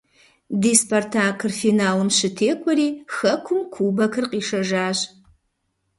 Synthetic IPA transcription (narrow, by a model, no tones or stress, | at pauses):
diːspʰɐrtʰaːkʰɨrfiːnaːlɨmɕɨtʰeːkʷʰʼɔɾiːxɐkʷʰʊmkʷʰuːbɐkʰɨrqiːʂɐʒaːʑ